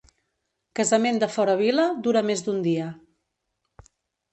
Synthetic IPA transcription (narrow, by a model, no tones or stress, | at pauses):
kəzəmend̪əfɔɾəβ̞iləd̪uɾəmezd̪und̪iə